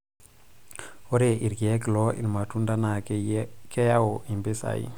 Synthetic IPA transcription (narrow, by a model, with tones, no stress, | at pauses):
o˦ɾe˨ʔi˨ɾɡi˨je˦klo˦ḭ˨ɾma˨tu˦nda˦na˨ke˦ja˦o˨ʔi˨mbi˦sa̰˨ḭ˦